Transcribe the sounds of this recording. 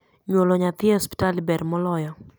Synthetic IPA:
ɲwoloɲat̪ɪhospi̥talibɛɾmɔlɔjɔ

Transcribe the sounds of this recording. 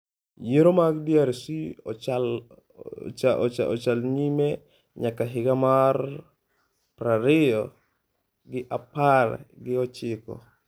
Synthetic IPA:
jeɾomaɡdjaɾsḭt͡ʃal | t͡ʃaɔt͡ʃaɔ̰t͡ʃalɲime | ɲakːaɦɪɡamar | pɾaɾɪjɔ | ɡɪʔapar̰ɡɪɔt͡ʃɪkɔ̰

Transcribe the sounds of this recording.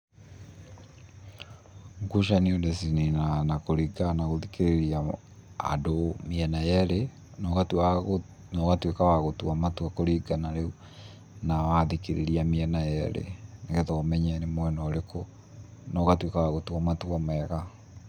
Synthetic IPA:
ŋɡuʃaniodesininanakoɾiɡanaɣoðikeɾeɾia | a̰domiɛnajɛɾe | nɔɣata | nɔɣatwekawaɣotwamatwakoɾiɡanaɾeu | nawaðikeɾeɾiamiɛnajɛɾḛnaɣɛtoɔmɛɲɛnemwɛnɔɾeko | nɔɣatwekawaɣotwamatwamɛːɣa

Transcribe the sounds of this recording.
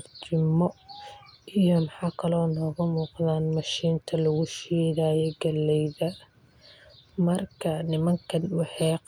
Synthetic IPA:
rt͡ʃɪmɔ | ijɔmɑħɑːkʰɐlɔːnɔːɣɐmuːqðaːnmɐʃiːnt̪ʰɐlɐɣʊʃɛːɣaːjɛɡɐlːɛjðɐ | mɐrkʰɐnɪmɐŋkʰɐnwɑħɛːq

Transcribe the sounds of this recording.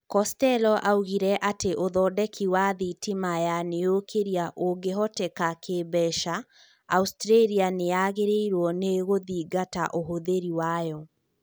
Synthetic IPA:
kɔstɛlɔʔauɣiɾɛʔateʔoðɔːdɛkʰiwaðitimajanejokʰeɾiaʔoɡeɦɔtɛkakʰebɛʃaː | ustɾeɾianejaɣeɾeiɾwɔneɣoðiːɡata̰ʔoɦoðeɾiwajɔ

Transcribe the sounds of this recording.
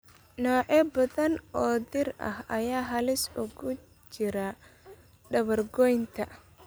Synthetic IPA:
nɔːʕɛbɐðɐnʔɔːd̪ɪrɐ̰hɐjaːɦɐlɪsʊɣʊ | t͡ʃɪɾɐ | ɖɐβɐrɡɔjnt̪ʰɐ

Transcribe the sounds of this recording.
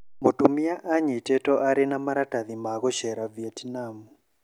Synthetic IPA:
motumiaʔaɲitɛtɔʔaɾinamaɾataðimaɣɔʃɛɾaviɛtnamu

